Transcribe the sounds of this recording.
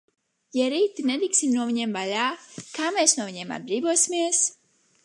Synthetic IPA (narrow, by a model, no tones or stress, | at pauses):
jɛɾiːt̪ined̪iksimnuɔviɲemvalʲaːkaːmesnuɔviɲeɛma̰d̪̚bɾiːvuɔsʲimiɛs